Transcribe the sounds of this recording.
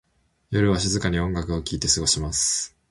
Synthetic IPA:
jo̞ɾɯ̟βaɕ̬izɨkaɲ̟iõ̞ŋɡakɯo̞kʲiːt̪e̞sɨɡo̞ɕimasɨ̥

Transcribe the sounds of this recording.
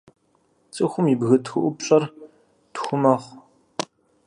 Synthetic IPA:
t͡sʼɨxʷʊmibɣɨtʰxɨʔʷʊpɕʼɐr | txʷʊmɐχʷ

